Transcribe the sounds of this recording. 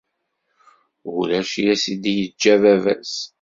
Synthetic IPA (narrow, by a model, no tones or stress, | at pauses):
ulæʃjæsid̪ijəd͡ʒːævævæ̰s